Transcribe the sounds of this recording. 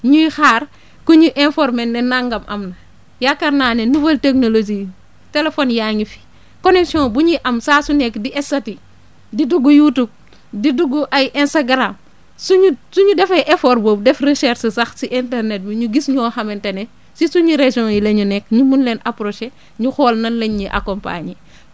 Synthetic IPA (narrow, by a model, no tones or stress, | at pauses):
ɲujixaːr | kuɲuʔɛnfɔɾmɛnːɛnaŋɡɐmʔɐ̰mnɐ | jakɐɾnaːnɛnuvɐlteknolod͡ʒiː | telefɔnjaːɲifi̥ | konɛksiɔ̃ːbuɲiʔɐmsaːsunɛkːdiʔɛsati | diduɡujutub̚ | diduɡuʔɐjʔɛnstaɡɾam | suɲusuɲudɛfɐjʔɛfɔːɾboːbdɛfrisɛɾsisɐxsiʔintɛrnɛt̚biɲuɡisɲɔːxɐmɛntɐnɛ | sisuɲiɾeʒɔ̃jileɲunɛkːɲumunlɛːnapɾoʃe | ɲuxɔːlnɐnleɲɲiʔa̰kompa̰ːɲi